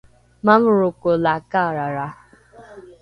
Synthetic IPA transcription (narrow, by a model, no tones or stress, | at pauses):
mam̩ɾʊkʊlakaɾaɾa